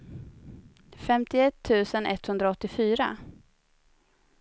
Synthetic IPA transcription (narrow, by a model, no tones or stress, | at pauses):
fɛmt̪ɪɛt̪ʰːʉ̟ːsənʔɛ̰t̪ːhɵnd̪ɾaɔt̪ːɪfyːɾa̰